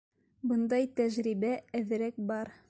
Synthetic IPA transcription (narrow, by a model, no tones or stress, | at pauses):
bɤ̆nd̪ɑjt̪æʒɾibææðɘ̆ɾæk̚bɑɾ